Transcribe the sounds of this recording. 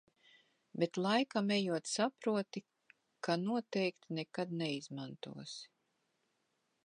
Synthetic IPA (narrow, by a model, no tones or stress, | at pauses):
bet̪lˠajkamɛjuɔt̪sapɾuɔt̪i | kanuɔt̪ɛjkt̪inɛkad̪nɛizmant̪ṵɔs